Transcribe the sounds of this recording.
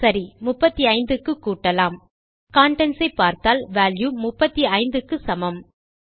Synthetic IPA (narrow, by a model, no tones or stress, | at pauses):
sɐɾimʊpːɐt̪ːiɐɪnd̪ɯkːɯkːuːʈːɐlaːm | kaːɳʈɛnsɐɪpːaːɾt̪aːlʋaːljumʊpːɐt̪ːiɐɪnd̪ɯkːɯsɐmɐm